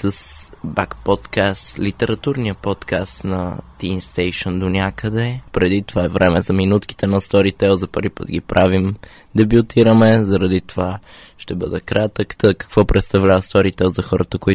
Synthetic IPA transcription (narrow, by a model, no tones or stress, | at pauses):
səsbakpɔt̪kast̪lit̪ɛɾɐt̪uɾnijəpɔt̪kast̪nɐ̰t̪imst̪ɛjʃənd̪onʲakəd̪ɛpɾɛd̪it̪ovaɛvɾʔɛmɛzɐminut̪ki̥t̪ɛnɐst̪ɔɾit̪ɛlˠzɐpəɾipə̰t̪ɡ̟ipɾʔavim | d̪ɛbjut̪iɾəmɛzɐɾɐd̪it̪ova | ʃt̪ɛbɤd̪ɛkɾʔat̪əkt̪əkə̥kvɔpɾʔɛt̪st̪ɐvlʲavəst̪ɔɾit̪ɛlˠzɐxɔɾət̪əkoi